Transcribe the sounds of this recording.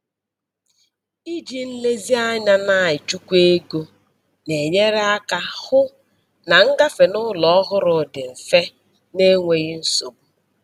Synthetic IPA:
i˦d͡ʒi˨n̩˦le˦zi˦a˦ɲa˦na˨ɪ˨t͡ʃu˦kʷe˦ɡo˦ | ne˨ɲe˦ɾe˦a˦ka˦hʊ˦ | na˨ŋ̩˦ɡa˦fe˨nʊ˦lɔ˦ɦʊ˦ɾʊ˨dɪ˨m̩˨fe˦ | ne˦ŋʷe˨ɣi˦n̩˦so˦˨bu˨

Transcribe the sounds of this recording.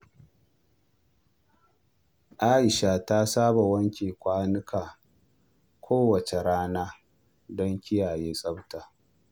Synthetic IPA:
ʔaː˦ʔɪ˨ʃa˨ta˦saː˦ba˨wɐ˦ŋkʲeː˨kʷaː˦nɪ˦kʰaː˨ | kʷʰoː˦wɐ˨t͡ʃe˨ɽaː˦naː˦ | dɔ˦ŋkʲɪ˦jaː˨jeː˦sʼɐ˦btaː˨

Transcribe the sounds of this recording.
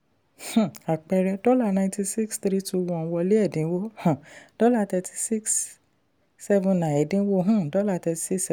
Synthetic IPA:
h̩˨a˨k͡pɛ˧ɾɛ˧dɔ˦la˦˨nã˧ĩ˦tĩ˧si˦kst̪ɾi˦tu˧wɔ̃˧wɔ˧li˦ɛ˦˨dĩ˨˦wo˦hã˨d̥ɔ˦la˧˦tɛ˧tʰi̥˧si˦ksː | ɛ˦vũ˧nã˨ɛ˨dĩ˨˦wo˦ɦũ˦dɔ˦la˦˧˨tɛ˧ti̥˧˦si˦ksɛ˧

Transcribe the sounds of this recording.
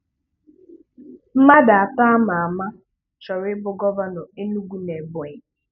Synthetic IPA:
m̩˦ma˦da˨a˨ta˦a˦ma˨a˨ma˦ | t͡ʃɔ˨ɾɪ˦bʊ˨ɡɔ˦va˦nɔ˨e˦nu˦ɡʷu˦ne˨bɔ˨ɲ˨

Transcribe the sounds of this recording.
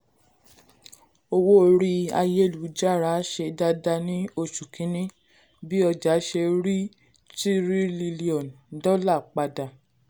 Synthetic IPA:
o˧wo˦˨ɾi˧a̰˧je˦˨lu˨˦d͡ʒa˦˨ɾa˨˦ʃe˧da˧da˧nĩ˦o˧˨ʃu˨kʰĩ˨˦nĩ˦ | bi˦ɔ˧d͡ʒa˨˦ʃe˧ɾi˦ | ti˦ɾi˦li˧li˦ɔ̃˨n | dɔ˦la˦˨k͡pa˧da˨

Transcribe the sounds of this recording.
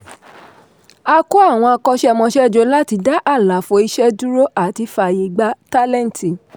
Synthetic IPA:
a˧ko˦a˦˨w̃ɔ̃˧a˧kɔ˧ʃɛ˦˨mɔ̃˧ʃɛ˦˨d͡ʒo˧˦la˦ti˧da˦ʔa˦˨la˨fo˧i˧˦ʃɛ˦du˦ɾo˦a˦˨ti˨˧˦fa˨je˨˦ɡ͡ba˦ta˦lɛ̃˦n˨ti˨

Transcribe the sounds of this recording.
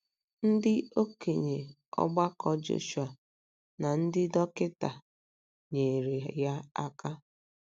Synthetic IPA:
n̩˦dɪ˦o˦ke˨ɲe˨ | ɔ̰˦ɡ͡ba˦kɔ˦d͡ʒo̰˨ʃu˦a˨ | na˨n̩˦dɪ˦dɔ˦kɪ˦ta˨ | ɲe˨ɾe˨ja˦a˦ka˦

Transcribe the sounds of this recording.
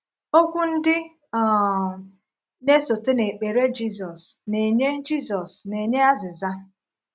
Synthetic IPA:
o˦kʷu˦n̩˦dɪ˦ | ɔ˨ | ne˦so˨te˦ne˨k͡pe˨ɾe˦d͡ʒi˦zɔ˨sne˨ɲe˦d͡ʒi˦zɔ˨sne˨ɲe˦a˦zɪ˨za˦

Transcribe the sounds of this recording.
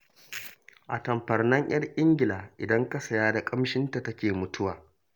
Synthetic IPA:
ʔa˨tɐ˨mɸɐ˨rnɐ˦ɲj̰ɐ˦rʔʼɪ˦ŋɡʲɪ˨laː˨ʔɪ˨dɐ˦ŋka˦sɐ˨jaː˦da˨kʼɐ˦mʃɪ˦nta˨tɐ˦kʲeː˨mʊ˦tʰʊ˦waː˨

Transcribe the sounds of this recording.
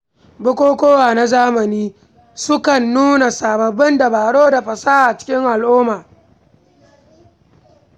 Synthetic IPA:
bʊ˦kʷoː˦kʷoː˦waː˨na˦zaː˦mɐ˨niː˦ | sʊ˦kɐ˨nːuː˦na˨saː˨bɐ˨bɪ˦ndɐ˨baː˨ɽoː˦da˨ɸɐ˨saː˦ʔa˨t͡ʃɪ̥˦kʲɪ˦ŋʔa˨lʔʊː˦maː˨

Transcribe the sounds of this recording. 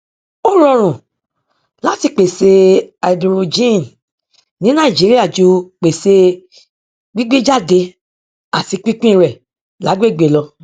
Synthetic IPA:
o˦ɾɔ˧ɾ̃ũ˨ | la˦ti˧k͡pe˨se˧a˨dɾo˨d͡ʒĩ˦˨n | nĩ˨˦nã˦˨i˨d͡ʒi˨˦ɾi˦a˦˨d͡ʒo˧k͡pe˨se˧ | ɡ͡bi˦ɡ͡be˦d͡ʒa˦˨de˧ | a˨ti˨˧k͡pi˦k͡pĩ˦˨ɾɛ˨ | la˨˦ɡ͡be˦˨ɡ͡be˨lɔ˧

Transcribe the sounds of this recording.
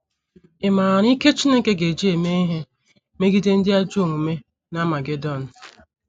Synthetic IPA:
ɪ˨ma˨ɾi˦ke˦t͡ʃi˦ne˦ke˦ɡe˨d͡ʒi˦e˨me˦i˦ɦe˦ | me˦ɡi˦de˦n̩˦dɪ˦a˦d͡ʒu˦o˦˨ŋu˨me˦ | na˦ma˨ɡe˨dɔ˦˨n̩˨

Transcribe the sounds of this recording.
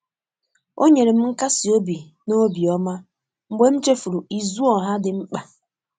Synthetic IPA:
o˦ɲe˨ɾe˨m̩˦ŋ̩˦ka˦si˨o˦bi˨ | no˦bi˨ɔ˦ma˦ | ŋ͡m̩˨ɡ͡be˦m̩˦t͡ʃe˦fu˨ɾu˨i˨zu˦ɔ˨ɦa˦dɪ˨ŋ͡m̩˦k͡pa˨

